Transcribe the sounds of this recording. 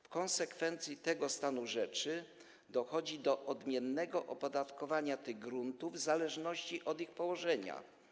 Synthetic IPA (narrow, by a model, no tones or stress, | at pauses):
fkɔ̃nsɛkfɛnt̪sʲjit̪ɛɡɔst̪anuʐɛt͡ʂɘ | d̪ɔxɔd͡ʑid̪ɔʔɔd̪mʲjɛnːɛɡɔʔɔpɔd̪at̪kɔvaɲat̪ɘɣɡɾunt̪uvzalɛʐnɔɕt͡ɕiʔɔd̪ixpɔwɔʐɛɲa̰